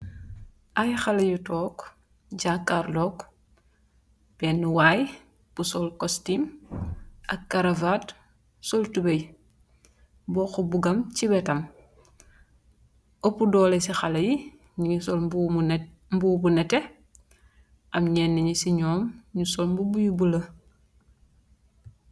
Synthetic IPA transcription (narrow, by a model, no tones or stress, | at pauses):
ʔajxalɐjutɔːk | ɟaːkːaɾlɔːk | b̥ɛːnːuwaːj | b̥usɔlkɔstim | ʔɐkkːaɾavaːt | sɔltubej | bɔːxɔbuɡɐmcibɛtɐm | opːudɔːlesixalɐji | ɲiɲisɔl | mbuːbunɛtɛ | ʔɐmɲɛːnːɛɲusiɲɔːmɲusɔlmbubujubulɐ